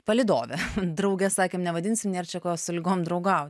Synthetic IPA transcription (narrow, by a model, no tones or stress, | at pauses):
pɐlʲɪd̪oːʋʲɛd̪ɾɐʊɡʲɛsɑːkʲeːmnʲɛʋɐd̪ʲɪnʲsʲɪmnʲeːrt͡ʃʲɛkoːsʊlʲɪɡoːmd̪ɾɐʊɡɐʊ